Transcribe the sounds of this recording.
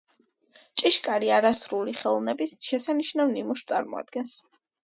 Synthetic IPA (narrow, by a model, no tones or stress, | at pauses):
t͡ʃʼiʃkʼaɾiaɾasɾuliχɛlˠnɛbisʃɛsaniʃnavnimuʃt̪sʼaɾmɔ̰a̰d̪̥̚ɡɛns